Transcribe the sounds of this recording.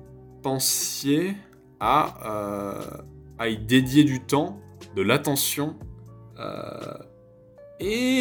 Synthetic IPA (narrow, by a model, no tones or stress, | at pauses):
pɑ̃sje | aø̰ | id̪ed̪jed̪yt̪ɑ̃d̪əlat̪ɑ̃sjɔ̃ø̰ | e